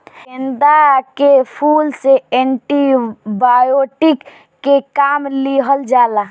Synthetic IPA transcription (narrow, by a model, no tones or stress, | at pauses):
end̪akepʰuːlseeɳʈibajoʈɪkː | ekaːmliɦəld͡ʒaːla